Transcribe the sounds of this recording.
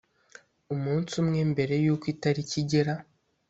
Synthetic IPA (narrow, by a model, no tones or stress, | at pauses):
umuːnsumŋe̞mbe̞ɾe̞juːkwiːtaɾiciɟeɾa